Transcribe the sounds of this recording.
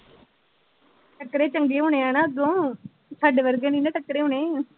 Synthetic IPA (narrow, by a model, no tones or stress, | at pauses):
ʈəkɾeːt͡ʃəŋɡeːʊnẽãːnaːd̪õː | t͡ʃʰəɖʋəɾɡəniːnəʈəkɾeːɦʊɳẽː